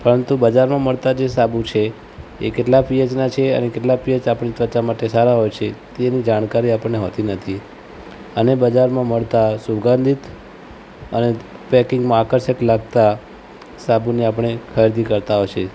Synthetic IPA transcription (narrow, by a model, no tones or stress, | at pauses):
pəɾənt̪ubəd͡ʒaɾmãməɭt̪ad͡ʒesabut͡ʃʰe | ḛkeʈlapijət͡ʃnat͡ʃʰeə̰nekeʈlapijət͡ʃapəɳit͡ʃəɾt͡ʃamaʈesaɾaɦojt͡ʃʰet̪enid͡ʒaɽ̃kaɾiapəɳneɦot̪inət̪ʰi | ənebəd͡ʒaɾmãməɭt̪asuɡãnd̪it̪ | ənepɛkɪ̃ŋɡmãːkəɾsəklaɡ̚t̪a | sabuniapəɳ̃ekʰəɾd̪ikəɾt̪aɦojt͡ʃʰe